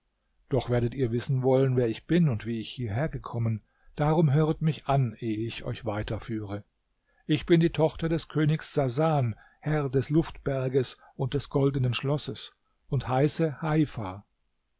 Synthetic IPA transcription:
d̥ɔχv̥eːɐdətiːɐvɪsn̩vɔlənvɛːɐɪçb̥ɪnʊntv̥iːɪçhiːɐɦeːɐɡəkʰɔmən | d̥aːʁʊmɦøːʁətmɪçʔanʔeːɪçɔ̰ʏçv̥aɪtɐfyːʁə | ʔɪçb̥ɪndiːtʰɔχtɐdɛskʰøːnɪçsz̥azaːn | hɛʁdɛslʊftb̥ɛɐɡəs | ʔʊnt̚d̥ɛsɡ̥ɔldənənʃlɔsəs | ʊnthaɪsəhaɪfa

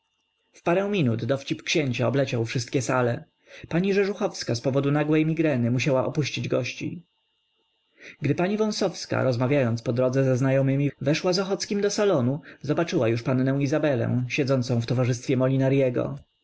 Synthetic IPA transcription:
fpaɾɛw̃mʲinud̪d̪ɔft͡ɕipkɕeɲt͡ɕaɔblɛt͡ɕawfʂɘst̪̚kʲɛsalɛ | paɲiʐɛʐuxɔfskaspɔvɔd̪unaɡwɛjmʲiɡɾɛnɘmuɕawaɔpuɕt͡ɕid͡ʑɡɔɕt͡ɕḭ | ɡd̪ɘpaɲivɔ̃w̃sɔfska̰ɾɔzmavʲjajɔnt̪spɔd̪ɾɔd̪zɛzɛznajɔmɘmʲivɛʂwazɔxɔt̪skʲimd̪ɔsalɔnuzɔbat͡ʂɘwajuʂpanːɛ̃w̃izabɛlɛ̰̃w̃ɕɛd̪zɔnt̪sɔ̃w̃ft̪ɔvaʐɘst̪fʲjɛmɔlʲinaɾjɛɡɔ̰

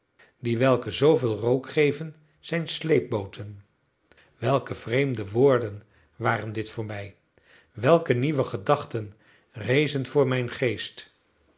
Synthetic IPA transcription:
diʋɛlˠkəzowvɪːlˠrowkχejvən | z̥ɛjnslejp̚bowtʰən | ʋɛlˠkəv̥rejmdəʋʊːɹdən | ʋaːrəndɪtfʊːɹmɛj | ʋɛlˠkəniʋəχədɑχtən | rejzənvʊːɹmɛjnχejst

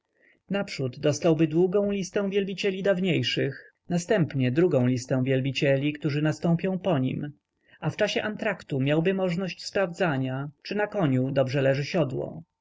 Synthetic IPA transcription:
napʂud̪ːɔst̪awbɘd̪wuɡɔ̃w̃lʲist̪ɛ̃w̃vʲjɛlbʲit͡ɕɛlʲid̪avɲejʂɘx | nast̪ɛmpɲɛd̪ɾuɡɔ̃w̃lʲist̪ɛ̃w̃vʲjɛlbʲit͡ɕɛlʲikt̪uʐɘnast̪ɔ̃mpʲjɔ̃w̃pɔɲḭm | aft͡ʂaɕɛʔant̪ɾakt̪umʲjawbɘmɔʐnɔɕt͡ɕspɾavd̪zaɲat͡ʂɘnakɔɲud̪ɔbʐɛlɛʐɘɕɔd̪wɔ̰

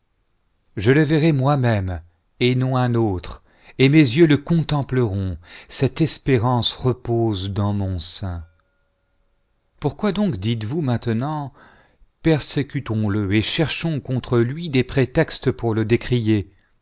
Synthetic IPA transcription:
ʒələvɛʁɛmwamɛm | enɔ̃ɛ̃not̪χ | emezjøləkɔ̃t̪ɑ̃pləʁɔ̃sɛt̪ɛspeʁɑ̃sʁəpozd̪ɑ̃mɔ̃sɛ̃ | puʁkwad̪ɔ̃kd̪it̪vumɛ̃t̪ənɑ̃ | pɛʁsekʲyt̪ɔ̃ləeʃɛʁʃɔ̃kɔ̃t̪χəlɥid̪epχet̪ɛkst̪əpuʁləd̪ekχije

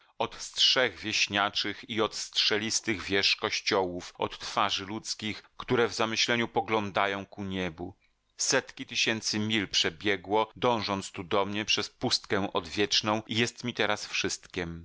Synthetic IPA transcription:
ɔt̪stʂɛɣvʲjeɕɲat͡ʂɘxiɔt̪stʂɛlʲist̪ɘɣvʲjɛʂkɔɕt͡ɕɔwufɔ̰t̪ːfaʐɘlut̪skʲixkt̪uɾɛvzamɘɕlɛɲupɔɡlɔnd̪ajɔ̃w̃kuɲɛbu | sɛt̪kʲit̪ɘɕɛnt̪sɘmʲilpʂɛbʲjɛɡwɔd̪ɔ̃w̃ʐɔnt̪st̪ud̪ɔmɲɛpʂɛspust̪kɛ̃w̃ʔɔd̪vʲjɛt͡ʂnɔ̃w̃ijɛst̪mʲit̪ɛɾasfʂɘst̪kʲɛm

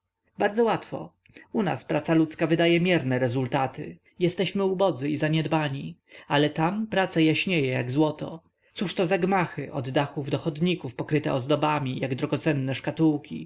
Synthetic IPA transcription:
baɾd̪zɔwat̪fɔ̰ | una̰spɾat̪salut̪skavɘd̪ajɛmʲjɛɾnɛɾɛzult̪at̪ɪ̰ | jɛst̪ɛɕmɘubɔd̪zɘizaɲɛd̪baɲialɛt̪ampɾat̪sajaɕɲejɛjaɡzwɔt̪ɔ̰ | t̪suʂt̪ɔzaɡmaxɘʔɔd̪ːaxuvd̪ɔxɔd̪ɲikufpɔkɾɘt̪ɛ̰ɔzd̪ɔbamʲijaɡd̪ɾɔɡɔt̪sɛnːɛʂkat̪uwkʲḭ

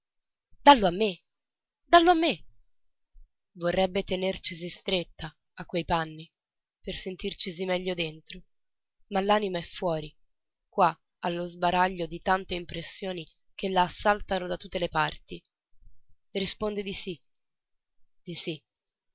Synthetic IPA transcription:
d̪alːoamːe | d̪alːoamːe | vorːɛbːet̪enert͡ʃis̬ist̪ɾet̪ːaː | kːwejpanːi | persent̪irt͡ʃis̬imɛʎːod̪ent̪ɾo | malːaːnimaɛfːwɔːɾi | kwa | alːozbaɾaʎːod̪it̪ant̪eimpɾesːjoːni | k̟elːaːsːalt̪anod̪at̪ːut̪ːelepart̪i | rːispond̪ed̪isi | d̪̥isi

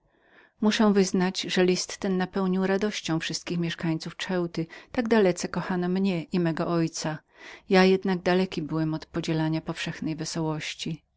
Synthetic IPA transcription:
muʂɛ̃w̃vɘznad͡ʑʐɛlʲist̪ːɛnːapɛwɲiwɾad̪ɔɕt͡ɕɔ̃w̃fʂɘst̪̚kʲixmʲjɛʂkaɲt̪suft͡ʂɛwt̪ɘt̪aɡd̪alɛt̪sɛkɔxanɔmɲɛʔimɛɡɔʔɔjt̪sa | jajɛd̪naɡd̪alɛkʲibɘwɛmɔt̪pɔd͡ʑɛlaɲapɔfʂɛxnɛjvɛsɔwɔɕt͡ɕi

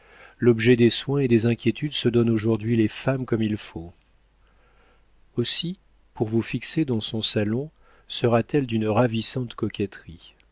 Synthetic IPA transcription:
lɔbʒɛd̪eswɛ̃ed̪ezɛ̃kʲjet̪ʰyd̪səd̪ɔnoʒuʁd̪ɥilefamkɔmilfo | osi | puʁvufiksed̪ɑ̃sɔ̃salɔ̃ | səʁat̪ɛld̪ynʁavisɑ̃t̪kɔkʲɛt̪χi

